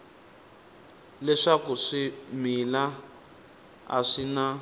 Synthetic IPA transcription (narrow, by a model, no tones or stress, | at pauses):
lɛʂakuʂimila | a̰ʂina